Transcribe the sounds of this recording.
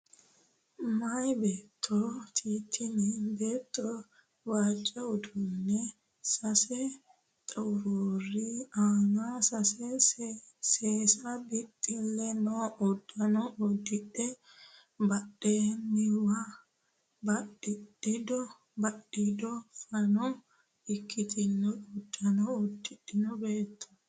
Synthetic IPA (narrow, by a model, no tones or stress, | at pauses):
majbeːt̪ʰːɔt̪ʰiːt̪ʰːɪnibeːt̪ʰːɔ | waːt͡ʃʼːɛɔd̪ʊnːɛ | sɐsɛ | t̪ʼɐwɾuriaŋasɐsɛ | seːsɐbɪt̪ʼːɪlːɛnɔːʔɔd̪ːɐnɔʔɔd̪ːɪᶑɛ | bɐɗeːnːɪwa | bɐɗɪᶑɪd̪ɔ | bɐɗɪd̪ɔfɐnɔm | ɪkːɪt̪ʰɪnːɔʊd̪ːɐnɔɔd̪ːɪᶑɪnɔbeːt̪ʰːʊ̥